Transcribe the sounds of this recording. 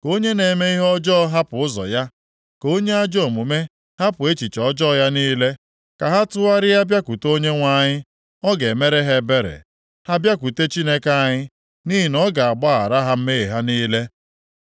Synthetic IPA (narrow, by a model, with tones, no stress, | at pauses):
ko˦ɲe˦ne˨me˦i˦ɦɔ˦d͡ʒɔ˦ɦa˦pʊ˨ʊ˦zɔ̰˨ja˦ | ko˦ɲe˦a˦d͡ʒɔ˦˨mu˨me˦ | ha˦pʊ˨e˦t͡ʃi˨t͡ʃɔ˦d͡ʒɔ˦˨ja˦niː˦le˦ | ka˨ɦa˦tʊ˦a˦ɾɪ˦ja˦bja˦ku˨to˦ɲe˦ŋʷa˦˨ɲɪ˦ | ɔ˦ɡe˨me˦ɾe˦ɦe˦be˦ɾḛ˨ | ha˦bja˦ku˨te˦t͡ʃi˦ne˦ka˨˦˨a˨ɲɪ˦ | ni˦ɦi˨nɔ˦ɡa˨a˨ɡ͡ba˦a̰˨ɾa˦ɦa˦m̩˦me˦e˨ɦa˦niː˦le˦